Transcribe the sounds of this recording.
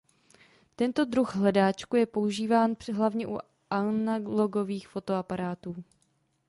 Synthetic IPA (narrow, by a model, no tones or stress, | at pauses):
t̪ɛnt̪o̞d̪ɾuɣɦlɛdaːt͡ʃkujɛpo̞uʒiːvaːnpɦlavɲɛʔṵ | ʔanalo̞ɡo̞viːxfo̞t̪o̞apaɾaːt̪uː